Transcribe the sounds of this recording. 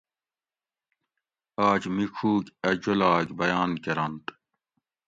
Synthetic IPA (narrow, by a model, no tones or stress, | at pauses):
aːd͡ʑmikʰuːkɐd͡ʑulaːkbɐjaːnkɐɾɐnt̪